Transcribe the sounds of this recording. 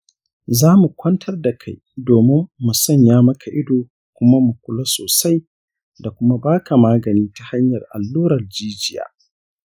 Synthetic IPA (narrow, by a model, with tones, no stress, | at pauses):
zaː˦mu˨kʷɐ˦ntʰɐ˦rda˨kʰa˦j | doː˨mɪ˦mːu˨sɔ˦˨ɲjaː˦mɐ˦kʰa˨ʔɪ˦doː˨ | kʷʊ˦ma˦mu˨kʷʊ˦lo˦soː˨sa˦j | da˨kʷʊ˦ma˦baː˦ka˨maː˦ɡɐ˨niː˦ta˨ha˦ɲjɐ˨rʔa̰˨lːuː˦ɾɐ˨ld͡ʒiː˦d͡ʒɪ˦ja̰ː˨